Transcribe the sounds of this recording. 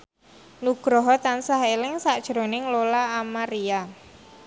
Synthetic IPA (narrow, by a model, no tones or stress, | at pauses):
nuɡ̥ɾɔɦɔt̪ansaɦelɪŋsaʔd̥ʒ̥ɾo̤nɪŋlolaːmaɾia